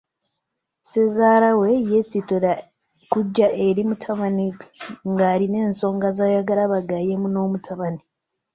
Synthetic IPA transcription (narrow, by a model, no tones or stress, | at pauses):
sezaːɾawe̞jesitoɾa | kuɟːaʔeɾimutʰaβaniŋɡaːɾine̞ːnso̞ːŋɡazaːjaɡaɾaβaɡaje̞muno̞ːmutʰaβani